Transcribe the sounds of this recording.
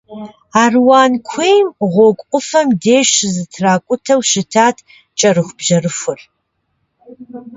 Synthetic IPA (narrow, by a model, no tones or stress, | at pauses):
aːrwaːnkʷʰejmʁʷɔkʷʼʊfɐmdeːʃzɨtʰraːkʷʼʊtʰɐwʃɪtʰaːtʰ | t͡ʃʼɐrɨxʷb̥ʑɐrɨfʷʊr